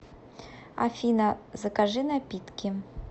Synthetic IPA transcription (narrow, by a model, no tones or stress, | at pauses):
a̰fʲinɐzɐkaʐɨnapʲit̪kʲi